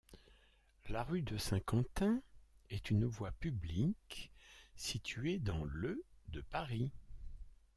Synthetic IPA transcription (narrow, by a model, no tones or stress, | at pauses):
laʁyd̪əsɛ̃kɑ̃t̪ɛ̃ɛt̪ynvwapyblik | sit̪ʰɥed̪ɑ̃lød̪əpaʁi